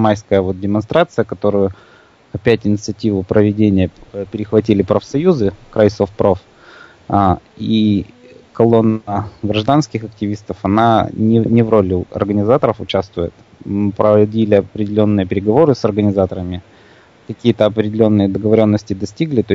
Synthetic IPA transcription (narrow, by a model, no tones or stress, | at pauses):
majskəjəvo̞t̪̚dʲɪmɐnst̪ɾat̪sɨjəkɐt̪o̞ɾʊjʊ | ɐpʲætʲɪnʲɪt̪sɨɐtʲivʊpɾəvʲɪdʲenʲɪjəpʲɪɾʲɪxvɐt̬ʲilʲɪpɾəfsɐjuzɨkɾajsofpɾof | i | kɐlˠo̞nəɡɾɐʐd̪anskʲɪxɐk̚tʲɪvʲist̪əfɐnanʲɪnʲɪvɾo̞lʲɪɐ̰rɡənʲɪzat̪əɾəfʊt͡ɕast̪vʊjɪt̪ | pɾədʲilʲɪɐpɾʲɪdʲɪlʲo̞nːɨjəpʲɪɾʲɪɡɐvo̞ɾɨsɐrɡənʲɪzat̪əɾəmʲɪ | kɐkʲijət̪əɐpɾʲɪdʲɪlʲo̞nːɨjəd̪əɡəvɐɾʲo̞nːəsʲtʲɪd̪ɐsʲtʲiɡlʲɪt̪o